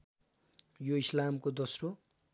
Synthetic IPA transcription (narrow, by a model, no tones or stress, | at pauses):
joislamkod̪ʌsro